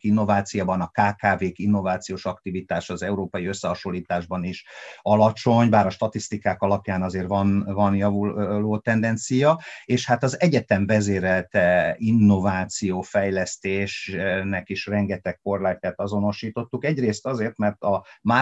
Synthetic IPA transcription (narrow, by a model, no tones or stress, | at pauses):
inːo̞vaːt̪sijabɒnɒkaːkaːveːkinːo̞vaːt̪sijoːʃɒkt̪ivit̪aːʃɒzɛuɾoːpɒjiø̞sːɛɦɒʃo̞lːiːt̪aːʒbɒniʃɒlɒt͡ʃo̞ɲbaːɾɒʃt̪ɒt̪ist̪ikaːkɒlɒpjaːnɒzeːrvɒnvɒnjɒvuloːt̪ɛnd̪ɛnt̪sijɒeːʃhat̪ɒzɛɟɛt̪ɛɱvɛzeːɾɛlt̪ɛinːo̞vaːt̪sijoːfɛjlɛst̪eːʃnɛkiʃrɛŋɡɛt̪ɛkːo̞rlɛk̚t̪ːɛt̪ɒzo̞no̞ʃiːt̪o̞t̪ːukɛɟreːst̪ɒzeːrt̪mɛrt̪ɒmaː